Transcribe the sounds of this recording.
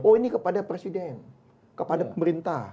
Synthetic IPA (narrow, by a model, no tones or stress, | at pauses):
oinikəpadapɾesidɛn | kəpadapəməɾint̪ah